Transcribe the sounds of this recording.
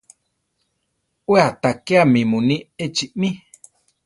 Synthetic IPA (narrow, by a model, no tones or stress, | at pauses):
weat̪akeamĩmũnĩet͡ʃiʔmĩ